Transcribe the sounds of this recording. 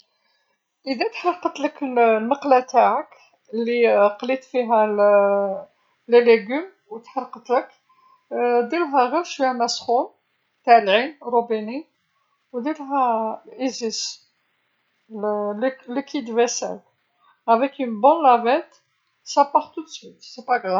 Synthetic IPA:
ʔəd̪æt̪ħɑɾˤqət̪ləkəllməqlæt̪aʕək | lːiqlit̪fiɦæl | ləlːeɡym | wt̪ħɑɾˤqət̪lək | d̪ilɦæɣiɾʃwihæmæsχun | t̪aʕlʕinɾˤubini | wd̪ilɦæʔizis | lllekʰid̪væsæ̰l | ævɛkynbɔ̃nlævɛt̪ | sæpɑʁt̪ud̪swit̪sɛpaɡʁa

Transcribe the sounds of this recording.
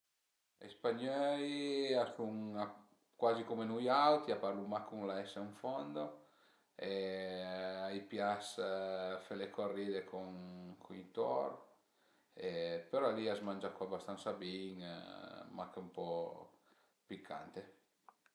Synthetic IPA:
ḛspaɲɔjasuŋa | kwazikomenujawt̪iapaɾlumakuŋlaɛseuɱfɔnd̪o | e | ajpjas | felekorːid̪ekoŋkʰunit̪ɔ̰ɾ | epeɾɔaliazmand͡ʒakwabast̪ansabiŋ̰ | makumpɔ | pikʰːa̰nt̪e

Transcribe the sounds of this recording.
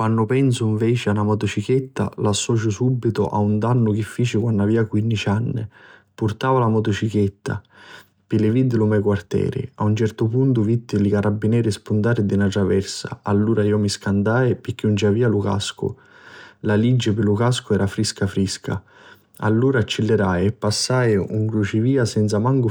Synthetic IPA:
kwanːʊpɛnsʊiɱvɛːt͡ʃɪanamɔt̪ʊt͡ʃik̟et̪ːa̰lasːɔːt͡ʃʊsubːit̪ʊ̰ʔa̰und̪anːʊk̟ɪfːiːt͡ʃɪkwanːaviːakwinːit͡ʃanːɪ̰pʊrt̪aːvalamɔt̪ʊt͡ʃiket̪ːa̰ | pɪlɪvid̪ːɪlʊmɛjkwart̪ɛ̰ːɾɪ̰aunt͡ʃɛrt̪ʊpunt̪ʊvid̪ːɪlikaɾʔabːinɛːɾspunt̪aːɾɪd̪inat̪ɾavɛrsa̰alːuːɾaiːɔmiskand̪aːɪpɪk̟ːiund͡ʒaviːaluka̰skʊ̰ | lalid͡ʒːɪpɪlukaskʊɛːɾafɾiskafɾiskʰa̰ | a̰lːuːɾaːt͡ʃːɪlːɪɾaːjɛpːasːaːjṵŋkɾut͡ʃɪviːasɛnt̪samaŋɡʊ

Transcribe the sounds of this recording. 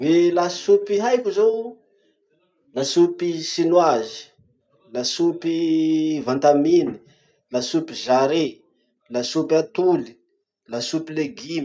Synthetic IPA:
welasupiɦajkʲuzo | lasupisinwazi̥ | lasupivãnt̪amini̥ | lasupiʒaɾe | lasupiat̪uli̥ | lasupileɡim

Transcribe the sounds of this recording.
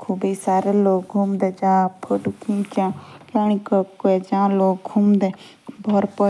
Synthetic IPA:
kʰuːbisaːɾeloːɡ̚ɡʱumd̪eːd͡ʒãːpʰəɖukĩːt͡ʃãːkãːɽ̃ikəkkːoed͡ʒãːloːɡɡʱumd̪eː | bʱɔɾpə

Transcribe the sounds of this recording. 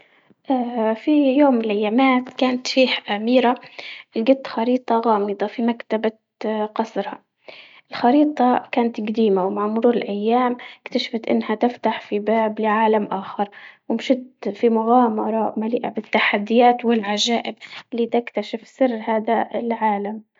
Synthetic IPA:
ʔafijoːmːɪlʔajːamaːt̪kaːnat̪fiːhaʔamiːɾaʔɪlɡɪt̪ːxɑɾiːt̪ˤɑɣɑːmɨd̪ˤɑfimakt̪aba | qɑsˤɾhɑ | ʔɪlxɑɾiːt̪ˤɑkaːnat̪ɡd̪iːmawmaʕmʊɾuːɾɪlʔajːaːmɪkt̪aʃḁfat̪ʔɪ̰nːhat̪ɪft̪aħfibaːblɪʕaːlamʔaːxɑɾˤwɪmʃɪt̪fimʊɣaːmɑɾˤɑmaliːʔabɪt̪ːaħad̪ːɪjaːt̪wɪlʕaʒaːʔɪbʔɪlːiːt̪ɪkt̪aʃɪfsɪrːhaːd̪alʕaːlam

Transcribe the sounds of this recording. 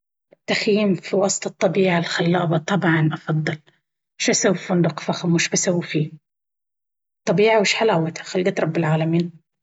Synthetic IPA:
ɪt̪ːaxjiːmfiwɑːsˤt̪ˤɨt̪ˤːɑbiːʕalxalːɑːʔbɑt̪ˤɑbʕɑnʔɑfɑd̪ˤːɑl | ʃasawfʊnd̪ʊqfaxmwɪʃbasawfiː | t̪ˤːɑbiːʕawɪʃħalaːwat̪ʰḁxalːɡaːt̪ɾˤɑbːɪlʕaːlamiːn

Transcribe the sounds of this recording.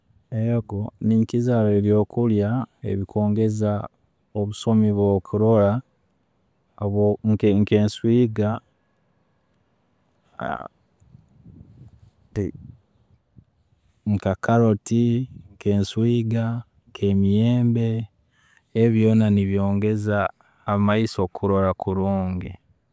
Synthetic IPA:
ejokoniŋkizaɾeljo̞ːkuljaḛβikʰo̞ːŋɡe̞za | oβuso̞miβwo̞ːkʰuɾo̞la | βokeŋkeːnswiːɡa | te | ŋ̩kakaɾo̞tiŋke̞ːnswiːɡa | ŋkʰe̞mijeːmbe̞ː | βjo̞ːnaniβjo̞ːŋɡe̞zaː | maiso̞kʰuɾo̞ɾakʰuɾuːŋɡḛ

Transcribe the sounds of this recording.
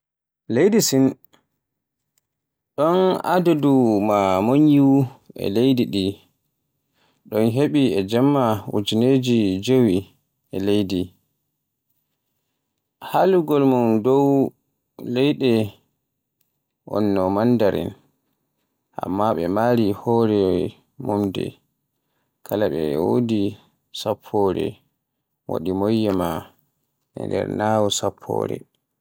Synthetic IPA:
lejdisin | ɗɔna̰dudumamoɲjuɛ̰lejdiɗi | ɗɔnɦeɓiɛd͡ʒɛmːawṵd͡ʒined͡ʒid͡ʒowi | ʔɛlejdi | haluɡɔlmundɔw | lɛjɗɛ | ʔɔnːɔmandaɾɛ̰n | ʔa̰mːaɓɛmaːɾihɔɾɛ | mumdɛ̰ | kʰalaɓɛwodi | sapʰːɔɾɛ̰ | wa̰ɗimɔjːɛma | ʔɛ̰ndɛ̰ɾnawɔsapʰːɔ̰ːɾɛ̰

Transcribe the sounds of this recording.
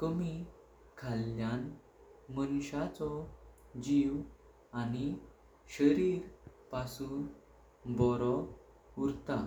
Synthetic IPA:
kəmi | kʰalːjan | mənɕat͡sɔ | d͡ʑiʋ | ani | ɕəɾiːɾpasuːn | bɔɾɔ | uɾt̪a

